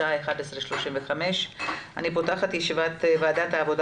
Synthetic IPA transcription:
aeχad̪esʁeʃlo̞ʃinveχame̞ʃa̰nipo̞taχat̪jeʃivat̪vaːd̪at̪haːvo̞d

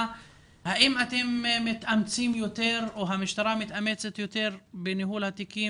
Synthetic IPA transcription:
haʔɪmʔat̪immɪt̪ʔamt͡siːmjot̪eːɾwɦamɪʃt̪aɾˤaːmɪt̪ʔamet͡set̪jot̪eːɾbɪnɪɦuːlhat̪ɪkiː

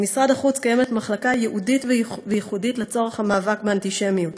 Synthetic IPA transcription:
misʁadaχut͡skaje̞me̞tmaχlakajeʔuditvvejiχuditlet͡so̞ʁeχhamaːvakbeantiʃe̞mjut

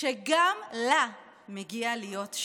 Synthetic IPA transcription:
ʃeɡamla | meɡialijo̞tʃ

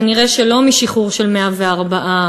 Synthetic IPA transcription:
niʁeʃelo̞miʃiχuʁʃelmeaveaʁbaʔa

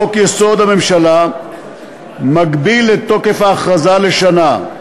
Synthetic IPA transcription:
okjesoːd̪ɐmimʃɐlaː | mɐɡbiːlet̪okefaːxɐzaːleʃɐnaː

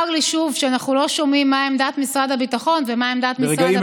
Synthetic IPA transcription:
aɡliʃuvʃeanaχnulo̞ʃo̞mimːaemd̪at̪misʁad̪habitaχo̞nvemaemd̪at̪misʁad

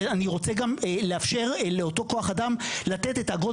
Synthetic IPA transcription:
aniʁo̞t͡seɡamleafʃe̞ʁleo̞to̞ko̞aχadamlat̪et̪etaaɡo

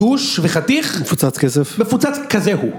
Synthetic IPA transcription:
uʃveχat̪iχmefut͡sat͡skɛsɛfmefut͡sat͡skazehu

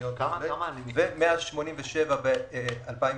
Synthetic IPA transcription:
ot̪vemanivemeaʃmo̞nimveʃevabealpai

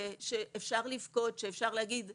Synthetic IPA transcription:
ʃeʔːfʃaʁlifko̞tʃeefʃaʁleaɡid̪

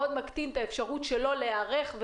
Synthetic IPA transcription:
od̪makt̪int̪aefʃaʁutʃelo̞leaʁe̞χv

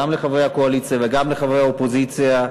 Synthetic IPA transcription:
amleχavejhakoalit͡sijaveɡamleχavejaopozit͡sija

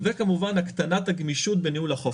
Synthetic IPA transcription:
vekamuvanakt̪anat̪aɡmiʃut̪̚benihulaχo

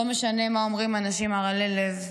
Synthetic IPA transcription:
omeʃane̞mao̞mʁimanaʃimaʁalelev

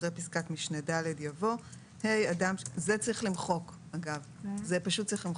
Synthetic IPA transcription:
ʁepiskakmiʃnedaledjavo̞ | he̞jadamzet͡saʁiχlimχo̞k | aɡavzepaʃut̚ːt͡saʁiχlim

